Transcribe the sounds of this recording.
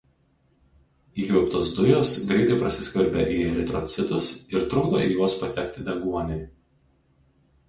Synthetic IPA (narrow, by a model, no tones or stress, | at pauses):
iːkʲʋʲɛʊpt̪oːsd̪ʊjoːsɡɾʲɛɪt̪ɐɪpɾɐsʲɪsʲkʲʋʲɐɾʲbʲɛʔiːɛɾʲɪt̪ɾɔt̪sʲɪt̪ʊsɪɾt̪ɾʊːd̪o̰ijuɔspɐt̪ʲɛkʲt̪ʲɪd̪ʲɛŋɡuɔnʲɛɪ